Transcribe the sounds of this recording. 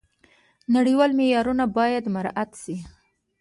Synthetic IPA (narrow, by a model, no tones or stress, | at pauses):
naɽiwɑlmejɑɾunabɑjad̪maɾʔat̪ʃi